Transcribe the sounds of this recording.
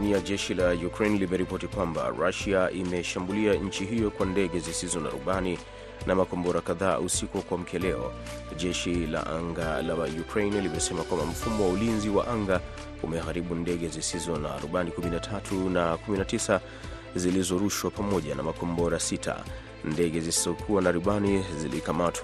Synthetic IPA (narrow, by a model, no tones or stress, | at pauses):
niaʄɛʃilajukɾejnlimɛɾipɔtikwamba̰ɾa̰ʃiaʔimɛʃambuliaɲ̩t͡ʃiɦijɔkwandɛɠɛzisizɔna̰ɾṵɓani | nʔamakɔmbɔɾakaða̰ːʔusikɔkwam̩kʰɛlɛɔ̰ | ʄɛʃila̰ʔa̰ŋɡalajukɾejnlimɛsɛmakwambam̩fumɔwaulinziwa̰ʔaŋɡa | umɛɦaɾiɓundɛɠɛzisizɔna̰ɾuɓanikuminatʰatʰunakuminatisa | zilizɔɾuʃwapamɔʄana̰makɔmbɔɾasitʰa̰ | ndɛɠɛzisizɔkʰuwanaɾuɓanizilikamatʰw